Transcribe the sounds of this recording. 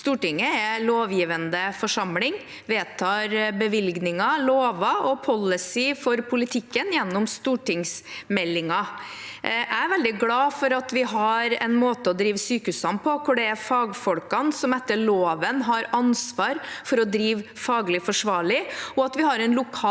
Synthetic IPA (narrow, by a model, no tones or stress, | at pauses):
st̪uːʈɪŋːəɛloːʋjiːʋənd̪əfɔʂɑmlɪŋ | ʋeːt̪ʰɑːɾbəʋɪlɡnɪŋɑloːʋɑɔpʰɔlːəsɪfɔɾpʰʊlɪt̪ʰɪkːənjɛnːɔmst̪uːʈɪŋsmɛlːɪŋɑ | ʔʔæɪɾʋɛld̪ɪɡlɑːfɔɾɑt̪ʋɪɦɑɾɛ̰nmoːt̪əɔd̪ɾiːʋəsyːkʉsɑmpʰɔkʰʊɖɛæfɑːɡfɔlkɑnsɔmɛt̪ːəɭoːʋənɦɑɾɑnsʋɑːɾfɔɾɔd̪ɾiːʋfɑːɡlɪfɔʂʋɑːɭɪɔɑt̪ʋɪɦɑɾɛnlʊkʰɑː